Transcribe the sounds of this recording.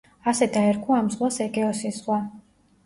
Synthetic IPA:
asɛd̪aɛɾkʰuamzʁwasɛɡʼɛɔsisʁwa

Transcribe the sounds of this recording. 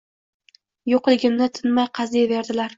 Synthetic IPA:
joqlˠɪɡʲɪmnɪt̪ʰɪnmajqʰɑzijave̞ɾd̪ɪlaɾ

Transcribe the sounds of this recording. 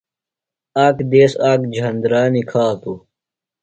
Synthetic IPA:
aːkd̪eːsaːkd͡ʑʱɐnd̪ɾaːnikʰaːt̪u

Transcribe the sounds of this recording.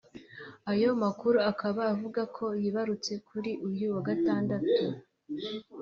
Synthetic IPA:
ajo̞makuɾuakaβaːvuɡakʰo̞jiβaɾut͡se̞kʰuɾiʔujuwaɡataːndatu

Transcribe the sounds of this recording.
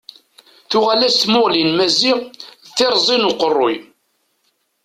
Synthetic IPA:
θʊʁælæst̪mʊʁlinmæziʁθɪɾˤzˤinuqərˤːoj

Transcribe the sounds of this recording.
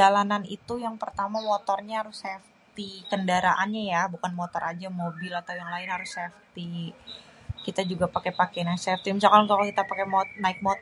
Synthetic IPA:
alananḭt̪ujaŋpərt̪amamot̪ɔrɲaɦaɾʊsɛf | t̪ikəndaɾaʔanɲajabukanmot̪ɔɾad͡ʒamobɪlat̪awjaŋlaɪnɦaɾʊsɛft̪i | kit̪ad͡ʒuɡapakɛpakɛnaɪksɛft̪imis̬alkalkalokit̪apakɛmɔnaɪk̚mot̪

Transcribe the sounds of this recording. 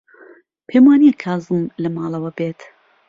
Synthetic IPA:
pʰeːmwaːnijɛkʰaːzɨmlɐmaːlˠɐwɐbeːt̪

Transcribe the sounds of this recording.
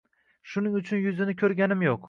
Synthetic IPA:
ʃʊnɪŋʊt͡ʃʰʊnjʊzɪnɪkʲʰɵɾɡʲanɪmjoq

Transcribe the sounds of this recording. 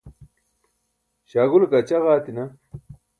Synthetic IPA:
ɕaːɣulkɐt͡ɕɐɣaːt̪inɐ

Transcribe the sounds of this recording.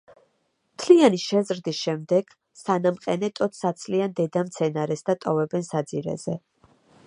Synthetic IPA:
mt̪ʰlianiʃɛzɾd̪isʃɛmd̪ɛɡ̥ | sanamqʼɛnɛt̪ʼɔt̪ʰsat̪sʰliand̪ɛd̪amt̪sʰɛnaɾɛsd̪at̪ʼɔvɛbɛnsad̪ziɾɛ̰z̥ɛ

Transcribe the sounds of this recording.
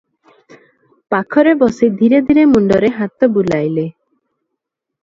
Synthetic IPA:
pakʰɔɾebɔsid̪ʱiɾed̪ʱiɾemuɳɖɔɾeɦat̪ɔbulajle

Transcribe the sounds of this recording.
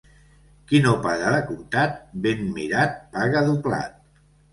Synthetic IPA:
kinopaɣəəkumt̪at̪̚benmiɾat̪̚paɣəðupla̰t̪̚

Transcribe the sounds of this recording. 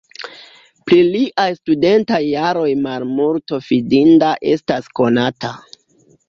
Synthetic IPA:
pɾiliʔajstude̞ntajːaɾo̞jmalmulto̞fidindaʔe̞stasko̞nata

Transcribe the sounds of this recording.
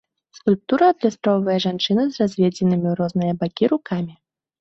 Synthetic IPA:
skulʲp̚t̪uɾɐːd̪lʲasp̪ɾɔwvɐjɐʐant͡ʂɨnɐzrazʲvʲɛd͡zʲɛnɨmʲiɾɔznɨjɐbakʲiɾukʰamʲi

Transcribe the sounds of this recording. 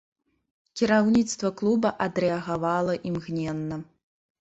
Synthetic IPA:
kʲɛɾawnʲit̪st̪vɐklˠubɐʔɐd̪ɾɛɐɣavalˠɐʔimɣnʲɛnːɐ

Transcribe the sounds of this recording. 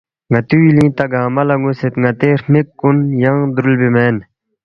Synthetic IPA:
ŋɐt̪uilĩːt̪ɐɡaːmɐlɐŋɡuset̪ŋɐt̪eːɾmekːunjɐŋd̪ɾulbimeːn

